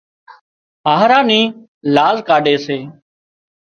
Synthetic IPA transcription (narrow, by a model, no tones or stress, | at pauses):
aːɦɾaːniː | laːzkaːɖeːseː